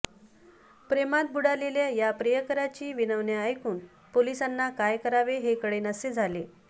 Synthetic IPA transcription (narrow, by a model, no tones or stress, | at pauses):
pɾemat̪̚buɽaleljajapɾəjəkəɾat͡ɕiːʋinəʋnjaːjkuːn | polisanːakajkəɾaʋeɦekəɽenəsed͡zʱale